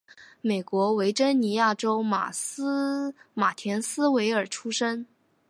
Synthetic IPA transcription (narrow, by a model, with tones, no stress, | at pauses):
me˨˩ɪkwɔ˧˥we˧˥ɪʈ͡ʂə˥nni˧˥ja˥˩ʈ͡ʂo˥ʊma̰˨˩˥ | ma˨˩t̪ʰjɛ˧˥nsɹ̩˥we˧˥ɪə˞˨˩ʈ͡ʂʰu˥ʂə˥n